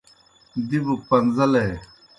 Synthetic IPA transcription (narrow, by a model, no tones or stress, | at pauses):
d̪ibuk̚pɐnzɐle